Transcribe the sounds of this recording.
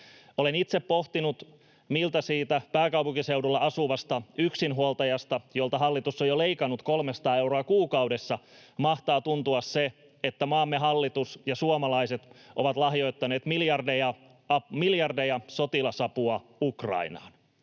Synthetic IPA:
olenit̪seppoht̪inut̪ | milt̪ɑsiːt̪æpæːkɑwpuŋkise̞uwdulːɑɑsuʋɑst̪ɑyksinɦuolt̪ɑjɑst̪ɑjolt̪ɑɦɑlːit̪usːojole̞ikɑnːut̪kolmesɑt̪ɑːe̞wɾoɑkuːkɑwdesːɑmɑht̪ɑːt̪unt̪uɑsse | et̪ːæmɑːmːeɦɑlːit̪usjɑsuomɑlɑiset̪ʔoʋɑt̪lɑhjo̞jt̪ːɑne̞ːt̪miljɑrdejɑ | miljɑrdejɑsot̪ilɑsɑpuɑukrɑ̰inɑ̰ːn

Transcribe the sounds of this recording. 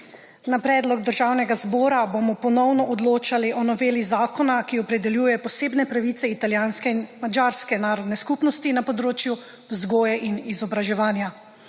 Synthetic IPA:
napɾɛːd̪lɔɡd̪əɾʒaːwnɛɡazbɔːɾabomɔpɔnɔwnɔʔɔd̪loːt͡ʃaliʔɔnɔʋeːlizaːkɔnakiɔpɾɛd̪ɛljuːjɛpɔseːbnɛpɾaʋit̪sɛit̪aljaːnskɛinmad͡ʒaːɾskɛnaːɾɔd̪nɛskupnɔst̪inapɔd̪ɾoːt͡ʃju | wzɡoːjɛʔinizɔbɾaʒɛʋaːnja

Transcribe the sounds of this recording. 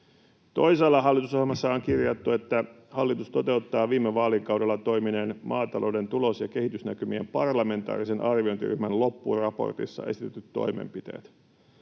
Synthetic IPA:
t̪o̞jselːɑɦɑlːit̪usohelmɑsːɑoŋkirjɑt̪ːue̞t̪ːæ | hɑlːit̪ust̪o̞t̪e̞ut̪ːɑːʋiːmːeʋɑːlikɑwde̞lːɑt̪o̞jminenmʔɑːt̪ɑlʔo̞wde̞nt̪ulo̞sjɑkehit̪ysnækymiempɑrlɑme̞nt̪ɑ̰ːɾisenʔɑrʋio̞nt̪ḭry̰hmænllo̞pːṵrɑpo̞̰rt̪ḭsːɑ̰e̞̰sit̪et̪ːyt̪to̞̰jmḛmpit̪e̞̰ːt̪

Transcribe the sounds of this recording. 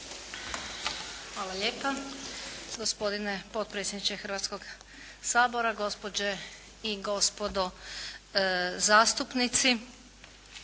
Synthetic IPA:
xʋaːlˠaʎe̞ːpa | ɡospo̞d̪inepot̪̚pɾet̪sʲjed̪nit͡ʃexɾ̩ʋaːt̪sko̞ɡ | saːbo̞ɾaɡo̞spod͡ʑe | iɡo̞spod̪o | zaːst̪upnit̪si

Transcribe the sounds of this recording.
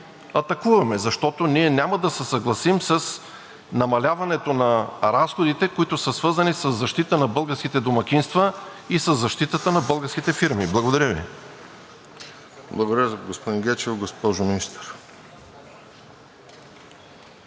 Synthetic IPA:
ɐt̪ɐkuvɐmɛzɐʃt̪ɔt̪oniɛnʲamɐd̪ɐsɛsɐɡlˠɐsimsɐs | nɐmɐlʲavɐnɛt̪onɐɾasxod̪it̪ɛkoit̪ʊsəsvɤɾzɐnisəzːɐʃt̪it̪ənɐbɤlˠɡəɾskit̪ɛd̪omɐkʲinst̪vəisəzːɐʃt̪it̪ət̪ənɐbɤlˠɡəɾsk̟it̪ɛfiɾmiblˠɐɡod̪ɐɾʲəvḭ | blˠɐɡod̪ɐɾɡospod̪iŋɡɛt͡ʃɛvɡospɔʒʊminist̪ɾ

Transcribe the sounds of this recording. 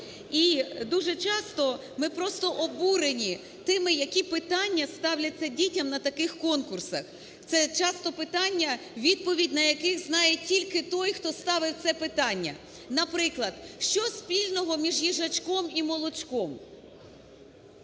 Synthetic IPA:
id̪uʒɛt͡ʃɑst̪ɔ | mɪpɾɔst̪ɔʔɔbuɾenʲi | t̪ɪmɪjɐkʲipɪt̪ɑnʲːɐst̪ɑwlʲɐt͡sʲːɐdʲitʲɐmnɐt̪ɐkɪxkɔnkʊrsɐx | t̪sɛt͡ʃɑst̪ɔpɪt̪ɑnʲːɐ | ʋʲid̪̚pɔʋʲidʲnɐjɐkɪɣznɑjetʲilʲkɪt̪ɔjxt̪ɔst̪ɑʋɪwt̪sɛpɪt̪ɑnʲːɐ̰ | nɐpɾɪklˠɐd̪̥ʃt͡ʃɔspʲilʲnɔɦɔmʲiʒjiʒɐt͡ʃkɔmimɔlˠɔt͡ʃkɔm

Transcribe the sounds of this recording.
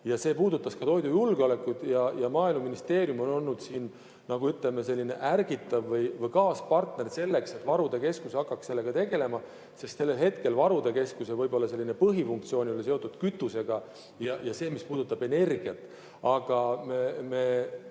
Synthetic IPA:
jɑse̞ːpuːd̪ut̪ːˑɑskɑt̪o̞jd̪ujulɡ̥eo̞le̞kːˑud̪̥jɑjɑmɑːilmɑminist̪e̞ːɾjumo̞no̞lːud̪̥siːn | nɑɡ̥uyt̪le̞mese̞lːine̞̰ʔærɡit̪ːˑɑvːɤjvɤjkɑːspɑrt̪ne̞rse̞lːe̞kse̞t̪ːˑvɑɾud̪̥e̞ke̞skusɑkːɑkse̞lːe̞ɡ̥ɑt̪e̞ɡ̥e̞le̞mɑ | se̞st̪se̞lːelɦe̞t̪ke̞lvɑɾud̪̥e̞ke̞skusevɤjbo̞lːɑse̞lːine̞pɤɦifuŋkt̪sio̞ːnʲiolːeseo̞t̪ːˑud̪̥kyt̪ːˑuse̞ɡ̥ɑ | jɑjɑse̞ːmispuːd̪̥ut̪ːɑbe̞ne̞rɡ̥iɑt̪ːˑ | ɑɡ̥ɑmemeː

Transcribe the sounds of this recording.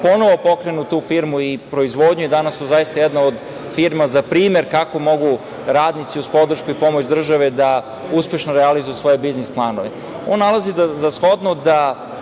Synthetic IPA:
po̞no̞ʋo̞po̞kɾenut̪uːfiɾmuipɾo̞izʋo̞ːd̪ɲujed̪anasozaist̪ajɛd̪naod̪ | fiɾmazapɾiːmje̞ɾkako̞mo̞ɡu | ɾaːd̪nit̪siuzpo̞d̪r̩ʃkuipo̞mot͡ɕd̪r̩ʒaʋe̞d̪a | uspʲje̞ʃnoɾealizujusʋo̞je̞biznisplˠaːnoʋe | oːnːalˠazid̪zasxo̞d̪nod̪a

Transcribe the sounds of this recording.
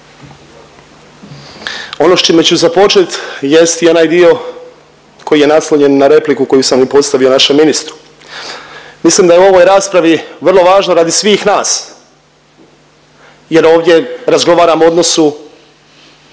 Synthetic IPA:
o̞no̞ʃt͡ʃimet͡ɕuzapo̞t͡ʃet̪je̞st̪io̞naːjd̪io̞ | kʰo̞jije̞naslˠoɲe̞nːaɾe̞plikuko̞jusamipo̞t̪st̪aʋio̞naʃemːinist̪ɾu̥ | mislimd̪ajeuo̞ʋo̞jɾaːspɾaʋiʋr̩lˠo̞ʋaːʒno̞ɾad̪isʋiːxnaːs | je̞ɾo̞ːʋd̪je̞ɾazɡo̞ʋaːɾamoo̞d̪no̞su

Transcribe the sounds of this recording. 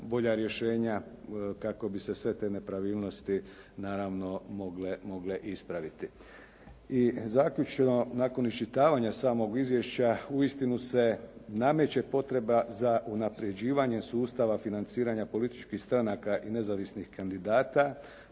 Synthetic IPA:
bo̞ʎaɾje̞ʃe̞ːɲakako̞bise̞sʋe̞t̪e̞ːne̞pɾaʋiːlno̞st̪i | naːɾaʋno̞moɡlemo̞ɡle̞ʔispɾaʋit̪i | izaːkʎut͡ʃenonaːko̞nist͡ʃit̪aːʋaɲasaːmo̞ɡizʋjeʃt͡ɕauist̪inuse̞namet͡ɕe̞po̞t̪ɾe̞bazaʔunapɾje̞d͡ʑiːʋaɲe̞suːst̪aʋafinant̪siːɾaɲapo̞lit̪i̥t͡ʃkixst̪ɾanakaʔine̞zaʋisnixkand̪id̪aːt̪a

